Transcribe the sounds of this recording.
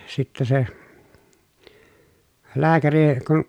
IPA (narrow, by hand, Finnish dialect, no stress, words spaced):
sitːæ se læːkæri kun